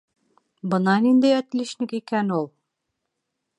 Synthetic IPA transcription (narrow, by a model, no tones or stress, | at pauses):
bɤ̆nɑnind̪æjɒt̪liʃnɘkikænulˠ